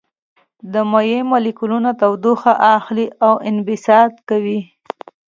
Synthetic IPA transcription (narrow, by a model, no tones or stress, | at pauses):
d̪əmajemalɪkulunat̪awd̪uxaʔaxliʔawɪnbɪsɑd̪kawi